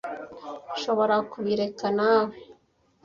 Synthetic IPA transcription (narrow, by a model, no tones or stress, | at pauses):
ʃo̞βo̞ɾakuβiɾe̞kanawe